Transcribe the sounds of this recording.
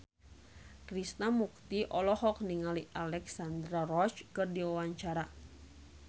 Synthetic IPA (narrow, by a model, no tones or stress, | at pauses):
kɾisnamuk̚t̪iʔɔlɔhɔk̚niŋaliʔalɛksand̪ɾarɔt͡ʃkɨrdiwawaɲt͡ʃaɾa